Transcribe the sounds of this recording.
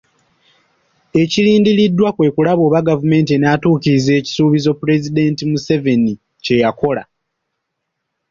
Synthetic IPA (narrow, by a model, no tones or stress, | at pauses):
e̞ciliːndiɾidːwakwe̞ːkulaβo̞ːβaɡavume̞ːnt̬ienatuːciɾize̞ːci̥suːβizo̞pːuɾe̞zide̞ːntimuse̞ve̞ni | ce̞jako̞la̰